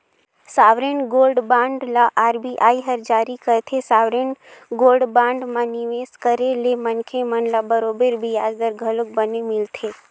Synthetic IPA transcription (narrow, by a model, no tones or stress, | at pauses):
saːʋɾenɡoːlɖbãːɳɖlaʔaːɾbiʔaːiɦəɾd͡ʒaːɾikət̪ʰesaːʋɾenɡoːlɖbãːɳɖmãniʋeːskəɾelemənkʰemənlabəɾoːbeɾbʱijaːd͡ʒd̪əɾɡʱələk̚bənemɪlt̪ʰe